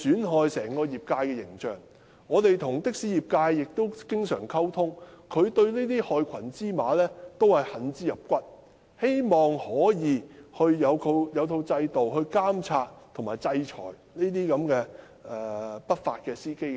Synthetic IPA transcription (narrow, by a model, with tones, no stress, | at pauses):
syː˨˥nɦɔː˨jsɛː˨˩ŋkɔː˧jiː˨p̚kaː˧jkɛː˧jɪ˨˩ŋt͡ʃœː˨˩ŋ | ŋɔː˨˧t̪e˨jt̪ʰʊ˨˩ŋt̪ɪ˥k̚si˨˥jiː˨˩p̚kaː˧jːɪ˨k̚t̪o˥wkɪ˥ŋsœ̰ː˨˩ŋkʰɐ˥wt̪ʰʊ˥ŋkʰɵ˨˧ɥt̪ɵ˧ɥliː˥t̪̬iː˥hɔː˨˧jkʷʰɐ˨˩nt͡siː˥maː˨˧lɛː˥t̪o˥whɐ˨jhɐ˨˥nt͡siː˥jɐ˨p̚kʷɐ˥t̚ | he˥jmɔː˨˩ŋhɔː˨˥jiː˨˧hɵ˧ɥjɐ˨˧wt̪ʰo˧wjɐ˨˧wt̪ʰo˧wt͡sɐ˧jt̪o˨wɦɵ˧ɥkaː˥mt͡sʰaː˧t̚t̪ʰʊ˨˩maː˨˩jt͡sɐ˧jt͡ʃʰɔ̰ː˨˩j | niː˥t̪̬iː˥kɐ˨˥mkɛː˧ | ɛː˨pɐ˥t̚fa̰ː˧t̚kɛː˧siː˥ke˥j